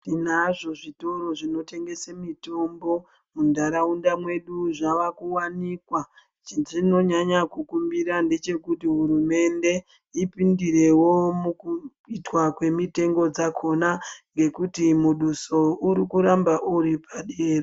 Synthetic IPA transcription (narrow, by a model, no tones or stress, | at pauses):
tinaʐo̞ʐito̞ɾo̞ʐino̞te̞ŋɡe̞semito̞mbo̞ | mundaɾaundamwe̞ɗuʐaʋakuwanikwa | t͡ʃʐinoɲaɲakukumbiɾande̞t͡ʃe̞kutiɦuɾume̞nde̞ | ipindire̞wo̞muku | itwakwe̞mite̞ŋɡo̞d͡zakʰo̞naŋɡe̞kutimuɗuso̞uɾikuɾambaʔuɾipʰaɗeːre